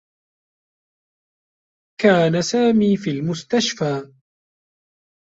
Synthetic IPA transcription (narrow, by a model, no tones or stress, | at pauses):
kaːnasaːmiːfiːlmʊst̪aʃfaː